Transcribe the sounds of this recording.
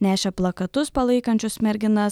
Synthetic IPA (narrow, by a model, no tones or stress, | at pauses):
nʲæːʃʲɛplˠɐkɐt̪ʊspɐlˠɐɪkɐnʲt͡ʃʲʊsmʲɛɾʲɡʲɪnɐs